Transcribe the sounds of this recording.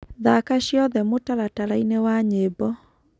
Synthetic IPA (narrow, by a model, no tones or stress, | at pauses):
ðakaɕjɔðɛmotaɾataɾainewaɲebɔ